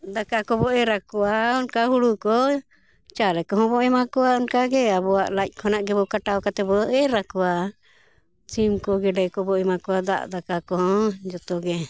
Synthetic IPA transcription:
d̪akakɔbɔʔɛɾakɔwaɔnkaɦuɽukɔ | t͡ʃalɛkɔɦɔ̃bɔʔɛmakɔwaɔnkaɡɛabɔwaʔlac̚ˀkʰɔnaʔɡɛbɔkaʈawkat̪ɛbɔʔɛɾakɔwa | t͡ʃimkɔɡɛɖɛkɔbɔɛmakɔwad̪a̰ʔd̪akakɔɦɔ̃d͡ʒɔt̪ɔɡɛ

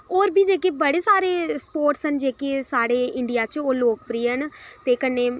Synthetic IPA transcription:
oːɾbiːd͡ʒeːkeːbəɽeːsaːɾeːspoːɾʈsɦənd͡ʒeːkeːsaːɽeːɪɳɖijaːt͡ʃoːloːk̚pɾiːɦənt̪eːkənːeː

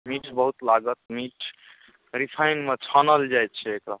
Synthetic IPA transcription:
miʈʰbəɦut̪laɡət̪̚miʈʰ | ɾipʰajnmet͡ʃʰanəld͡ʒajt̪̚t͡ʃʰɛekɾa

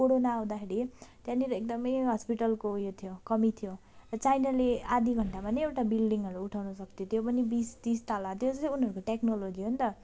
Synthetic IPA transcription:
koɽonaːw̃d̪akʰeɾit̪jãniɾʌek̚d̪ʌmʌjɦʌspiʈʌlkojot̪ʰijokʌmit̪ʰjo | rʌt͡sajnalead̪iɡʱʌɳʈapʌniewʈabilɖiŋɡɦʌɾuuʈʰawnʌsʌkt̪ʰjot̪jopʌnibist̪ist̪alat̪jod͡zʌsiunɦʌɾukoʈeknolod͡ziɦont̪ʌ

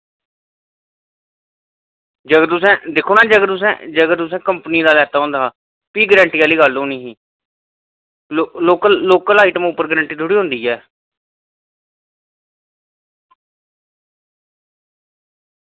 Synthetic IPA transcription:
d͡ʒəɡt̪ʊsɛ̃ːd̪ɪkʰoːnaːd͡ʒəɡt̪ʊs̬ɛ̰̃d͡ʒəɡt̪ʊs̬ɛ̃ːkəmpniːd̪aːlɛːt̪aːɦõnd̪aː | piːɡəɾə̃ɳʈiːaːliːɡəlːoːnĩːɦiː | loːkəlːoːkəlaːiːʈəmuːpːəɾɡɾə̃ɳʈiːt̪ʰʊɽiːɦõnd̪iːɛː

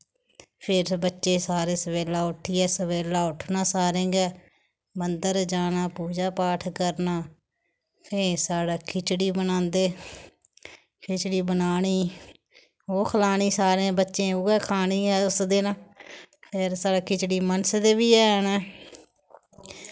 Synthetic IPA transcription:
pʰɪɾbətːʃẽːsaːɾẽːsəʋeːlaːʊʈʰːiːɛːsəʋeːlaːʊʈʰnãːsaːɾẽːɡɛː | bənd̪əɾd͡ʒaːnaːpuːd͡ʒaːpaːʈʰkəɾnaː | pʰeːsaːɽaːkʰɪt͡ʃɽiːbənãːnd̪eː | kʰɪt͡ʃɽiːbənaːɽiː | oːkʰəlaːɽ̃iːsaːɾẽːbətːʃẽːoːɡɛːkʰaːɽ̃iːɛːʊsd̪eːnãːpʰɪɾsaːɽaːkɪt͡ʃɽiːmənsd̪eːbiːɛːɦənɛː

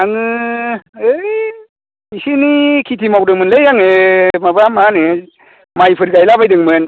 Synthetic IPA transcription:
anɯ | ɯj | isinikʰitʰimawdɯŋmɯnlejaŋemabamanɯ | majpʰɯɾɡajlabajdɯŋmɯn

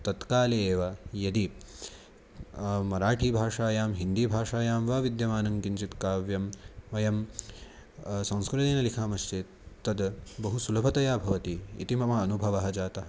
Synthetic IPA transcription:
t̪ɐt̪kaːleeːʋɐjɐd̪i | mɐɾaːʈʰiːbʱaːʂaːjaːmɦind̪ibʱaːʂaːjaːmʋaːʋid̪jɐmaːnɐŋkint͡ʃit̪kaːʋjɐmʋɐjɐm | sɐ̃w̃skɾɪt̪eːnɐlikʰaːmɐʃt͡ʃe | t̪ɐd̪bɐɦusulɐpʰɐt̪ɐjaːbʱɐʋɐt̪ḭːt̪imɐmɐːnubʱɐʋɐɦɐd͡ʒaːt̪ɐɦɐ

